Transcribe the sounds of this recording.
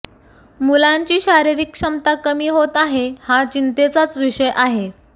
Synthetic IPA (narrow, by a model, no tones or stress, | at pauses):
mulãɲt͡ɕiːɕaɾiɾikʂəmt̪akəmiːɦot̪aɦehat͡ɕint̪et͡sat͡sʋiʂəjʔaɦe